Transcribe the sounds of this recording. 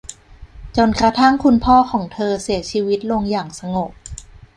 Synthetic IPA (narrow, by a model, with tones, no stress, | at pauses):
t͡ɕo˧nkɾa˧t̪ʰa˥˩ŋkʰu˧npʰɔː˥˩kʰɔː˩˦ŋt̪ʰɤː˧si˩˦ət͡ɕʰiː˧wi˦˥t̪̚lo˧ŋjaː˨˩ŋsa˧ŋo˨˩p̚